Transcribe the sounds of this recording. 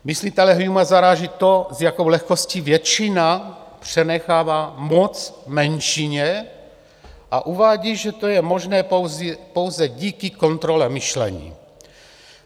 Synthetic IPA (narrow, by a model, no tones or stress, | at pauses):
mislit̪ɛlɛɦjumazaɾaːʒit̪ozjako̞wlɛxkosciːvjɛt͡ʃinapr̝̥ɛnɛxaːvaːmot͡smɛnʃiɲɛ | ʔaʔuvaːɟiːʒɛt̪ojɛmoʒnɛːwzpo̞wzɛɟiːkiko̞nt̪ɾolɛmɪʃlɛ̰ɲḭː